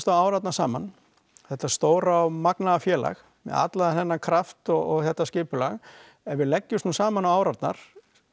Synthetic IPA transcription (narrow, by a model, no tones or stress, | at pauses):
st̪awaːwɾat̪̚nḁsaːman | θɛht̪ast̪oːwɾamaknaðafjɛːla̰x | mɛ̰ða̰t̪laðanθɛnːakʰɾaft̪ɔɣɔɣθɛht̪ːascɪːpʏlaɣ | ɛɾvɪðlɛcːʏmsuːsaːmanawaːwɾat̪na̰ɾ̥